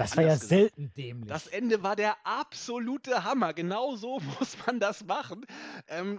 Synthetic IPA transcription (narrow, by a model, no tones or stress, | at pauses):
d̥asv̥aːɐjaːzɛltn̩d̥ɛːmlɪd̥asʔɛndəvaːɐdeːɐʔapz̥oluːtəɦamɐɡənaʊzoːmʊsmandasmaχn̩ʔɛːm